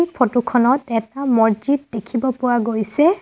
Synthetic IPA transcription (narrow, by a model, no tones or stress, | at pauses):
ipʰotukʰɔnɔtɛtamɔɹd͡ʒit̚dekʰibɔpʊwaɡojsɛ